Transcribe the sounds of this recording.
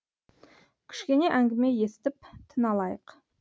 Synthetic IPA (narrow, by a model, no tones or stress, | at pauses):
kʲʰɪ̥ʃkʲe̞ne̞ʔæŋɡʲɪme̞je̞sɪ̥t̪ɪp̚t̪ʰənɑlˠɑjəq